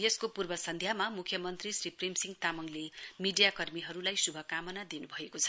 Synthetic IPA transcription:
jʌskopurbʌsʌnd̪ʱjamamukʰjʌmʌnt̪risriprimsiŋt̪amʌŋlemiɖijakʌrmiɦʌɾulajsubʱʌkamʌnad̪inubʱʌekot͡sʰʌ̥

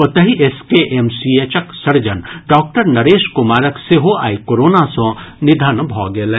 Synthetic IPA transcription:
pɐt̪ɐɦiʔeskeʔemsiet͡ʃəksɐɾd͡ʒənɖɔːk̚ʈəɾnɐɾeːʃkʊmaːɾəkseɦoa̰ːikoːɾoːnasõnɪd̪ʱənbʱɔːɡelẽ

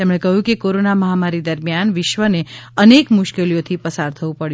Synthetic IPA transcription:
t̪emɳ̃ekəɦjũkekoɾonaməɦamaɾid̪əɾmijanʋɪʃʋəneənekmʊʃkelijot̪ʰipəsaɾt̪ʰəʋũpəɽjũ

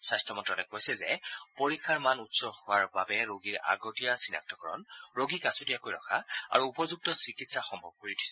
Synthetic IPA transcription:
sastɔmɔntɹɔtɛkojsɛzɛpoɹikʰːaɹmanutsɔhʊwaɹbabɛɹoɡiɹa̰ɡotijasina̰k̚tʰɔkɔɹɔ̰nɹoɡikasotijakojɹɔ̰kʰaa̰ɹuːpɔzuk̚tɔsikitsaxɔmbʱɔb̚koɹitʰi̥sɛ

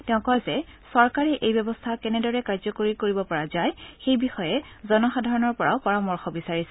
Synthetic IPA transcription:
tɛʊ̃kɔjzɛsɔɹkaɹɛʔejbɔbɔstʰakɛnɛdɔɹɛkaɹzɔkoɹikoɹibɔpɔɹazajxejbixɔjɛ | zɔnɔxadʱaɹɔnɔɹpɔɹa̰ʊpɔɹamɔɹxɔbisaɹis

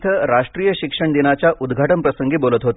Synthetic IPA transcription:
t̪ʰəɾaʂʈɾiːjəɕikʂəɳd̪inat͡ɕjaʔud̪ɡʱaʈəmpɾəsəŋɡiːbolət̪ɦot̪

